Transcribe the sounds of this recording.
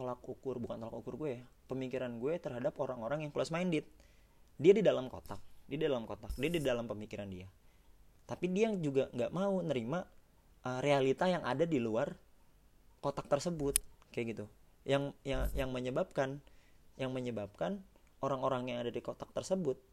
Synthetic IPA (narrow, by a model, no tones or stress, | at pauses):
t̪olak̚ukʊrbukant̪olakukʊrɡuejapəmikiɾanɡuɛt̪ərɦadapoɾaŋoɾaŋjaŋklosmaindɪt̪̚ | diadidalamko̰t̪ak̚diadidalamkot̪ak̚diadidalampəmikiɾandia | t̪apidiad͡ʒuɡaŋɡaʔmaunəɾima | ərealit̪ajaŋʔa̰dadiluar | kot̪ak̚t̪ərsəbʊt̪̚kajaɡit̪u | jaŋjajaŋməɲəbap̚kanjaŋməɲəbap̚kanoɾaŋoɾaŋjaŋadadikot̪ak̚t̪ərsəbʊt̪̚